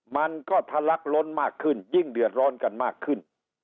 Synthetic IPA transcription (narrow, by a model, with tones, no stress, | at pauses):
ma˧nkɔː˥˩t̪ʰa˧la˦˥k̚lo˧˥nmaː˥˩kʰːɯ˥˩nji˥˩ŋdɯ˨˩ət̪̚ɾɔː˧˥nka˨nmaː˥˩kʰːɯ˥˩n